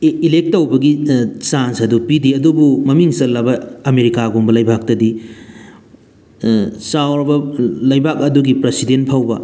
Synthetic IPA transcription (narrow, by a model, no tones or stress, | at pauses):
ilek̚tːɐwbɐɡisansɐdupidiɐdubumɐmiŋsɐlːɐbɐɐmeɾikaɡombɐlɐjbʱak̚tɐdi | sawɾɐbɐlɐjbak̚ɐduɡipɾɐsidenpʰawbɐ